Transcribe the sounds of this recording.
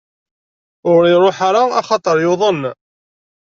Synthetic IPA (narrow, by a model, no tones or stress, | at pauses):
ʊɾɪɾˤoħaɾaɑ̰χɑt̪ˤəɾˤjoðˤən